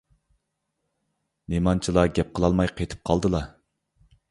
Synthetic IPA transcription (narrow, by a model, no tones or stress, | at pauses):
nemɑnt͡ʃʰilˠɑɡʲɛp̚qʰəlˠɑlˠmɑjqʰejt̪ʰɨ̥p̚qʰɑlˠd̪ɨlˠɑ